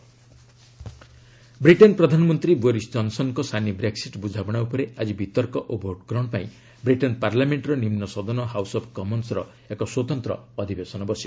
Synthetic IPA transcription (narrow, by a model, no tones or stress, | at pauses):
bɾiʈɔnpɾɔd̪ʱanɔmɔnt̪ɾiboɾisd͡ʒɔnsɔnkɔsʰanibɾeksiʈbud͡ʒʱabɔɽ̃aupɔɾead͡ʒibit̪ɔɾkɔʔubʱoʈkɔɾɔɳ̃paĩ | bɾiʈɔnpaɾlameɳʈɾɔnimnɔsɔd̪ɔnɔɦawsɔpʰkɔmɔnsɾɔ | ekɔswɔt̪ɔnt̪ɾɔ̰ɔd̪ʱibesɔnɔbɔsi